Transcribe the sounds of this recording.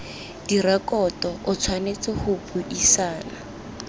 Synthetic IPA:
d̥irakɔtɔʔʊt͡sʰwanet͡sɪhʊpuʔisaːna

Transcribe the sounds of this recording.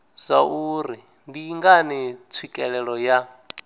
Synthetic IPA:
z̥ʷaʔuɾi | ndiŋɡanit͡sʰwikʼɛɺɛɺɔja

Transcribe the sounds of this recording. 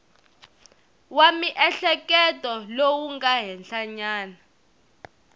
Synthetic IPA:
wamiʔɛɬɛkɛtʼɔlowuŋɡaɦɛnɬaɲaːna

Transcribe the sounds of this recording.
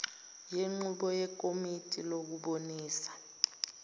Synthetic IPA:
jeŋ͡ǃuɓɔjɛkʼomitʼilok̬uɓoniːsḁ

